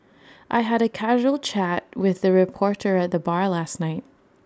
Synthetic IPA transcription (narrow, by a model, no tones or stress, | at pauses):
ʔaɪɨɾɨkʰæʒul̩ˠt͡ʃʰæt̚wɪðɨɹɨpʰɔɹɾə˞ɨt̪̚ðəbɑɹlæstⁿnaɪt̚